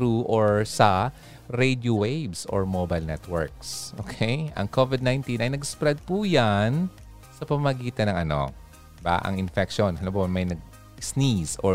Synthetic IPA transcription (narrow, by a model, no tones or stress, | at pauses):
t̪ɾuʔoɹsɐ | ɾejd̪jowejbso̰ɹmobɐjlnɛt̪wɛɹk̚sʔo̰ːkʰejʔɐ̰ŋkovɪd̪̚najnt̪inɐjnɐɡspɾɛd̪̚pujan | sɐpɐmamɐɡiːt̪ɐnɐŋɐno̞̰ | ba̰ʔɐ̰ŋɪnfɛkʃonɐlobomɐjnɐɡ̚ | snisʔo